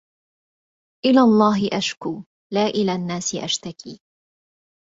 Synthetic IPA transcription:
ʔɪlaːlˤːɑːɦɪʔaʃkuː | laːʔɪlaːnːaːsɪʔaʃt̪akʰḭː

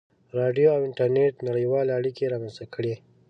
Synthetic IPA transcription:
ɾɑɖijoawɪɳʈaɾneʈnaɽəjwɑːleaɽikeɾɑːmanzt̪akʰəɽe

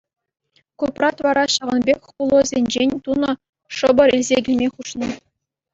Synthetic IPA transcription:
kuprɑt̪ʋɑɾɑɕɑʋɤ̆nbʲekʲχulˠɤ̆zʲenʲd͡ʑenʲt̪unɤ̆ | ʂɤ̆bɤ̆ɾilʲzʲeɡʲemʲeχuʂnɤ̆

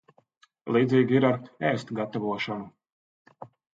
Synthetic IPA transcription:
lˠiːd̪ziːɡʲiiɾaɾɛːst̪ɡat̪avuɔʃɔnu

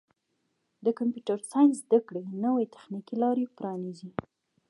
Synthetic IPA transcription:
d̪əkampjuʈaɾsɑjnzd̪akɽenəwejt̪ḁxnikilɑɾepɾɑnizi

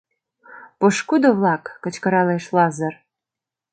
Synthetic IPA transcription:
puʃkud̪oβlɑkːə̆t͡ɕkə̆ɾɑleʃlɑzər

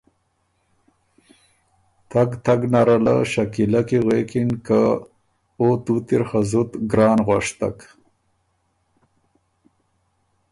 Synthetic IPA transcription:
t̪aɡt̪aɡnaɾala̰ʃakilakiɣekinka | ot̪ut̪iɾxazut̪ɡɾɑːnɣwaʂt̪a̰k

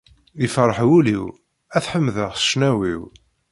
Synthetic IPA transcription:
ðifəɾˤəħwuliw | æθħəmːðəʁsə̥ʃnæwiw

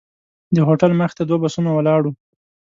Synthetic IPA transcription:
d̪əɦoʈalməxt̪ad̪wabasunawəlɑɽu

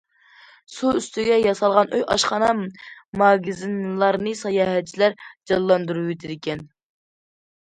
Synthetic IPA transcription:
suyst̪ʰyɡʲɛjɑsɑlˠʁɑnøjʔɑʃχɑnɑmɑɡizinlˠɑɾnɨsɑjɑːɦɛt͡ʃʰːilæɾd͡ʒɑllˠːɑnd̪uɾuwyt̪ʰɪd̪ɪkʲɛn

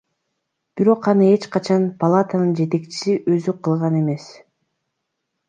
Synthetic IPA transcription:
b̥iɾo̞qɑnɯe̞t͡ʃqɑt͡ʃɑnpʰɐlˠat̪anɯnd͡ʒe̞t̪e̞kt͡ʃi̥siʔø̞zyqʰɯlˠʁɑne̞me̞s

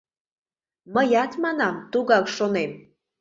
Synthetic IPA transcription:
məjɑt̪mɑnɑmt̪uɣɑkʃonem

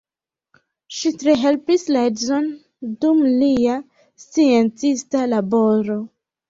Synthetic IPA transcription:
ʃitɾeɦe̞lpisladzon | dumlia | st͡sient͡sistalaboɾo

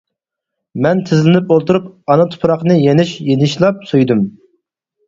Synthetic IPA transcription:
mɛnt̪ʰɪzlɪnɪpolˠt̪uɾupɑnɑt̪ʰu̥pʰɾɑqnɨjenɪʃjenɪʃlˠɑp̚sujd̪ɨm

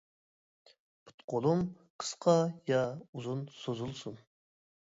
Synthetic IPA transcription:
pʰʊ̥t̪qʰolˠum | qʰə̥sqʰɑjɑuzunsozulˠsun

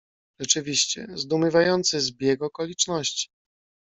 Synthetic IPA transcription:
ʐɛt͡ʂɘvʲiɕt͡ɕɛ̰zd̪umʲɘvajɔnt̪sɘzbʲjɛɡɔkɔlʲit͡ʂnɔɕt͡ɕi̥

